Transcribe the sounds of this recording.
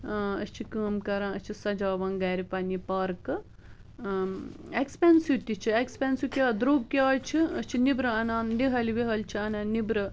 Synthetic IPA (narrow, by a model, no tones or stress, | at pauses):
əst͡ʃʰikəːmkɐɾãːət͡ʃʰisɐd͡ʒaːʋɐ̃ːŋɡɐːɾipɐnipɐɾkɨ | ekspensjut̪it͡ʃʰiekspensjukʲjaːd̪ɾoːɡ̚kjaːt͡ʃʰiəst͡ʃʰinibɾɐɐnaːnd̪iɦɐliʋiɦɐlt͡ʃʰiɐnɐːnibɾɨ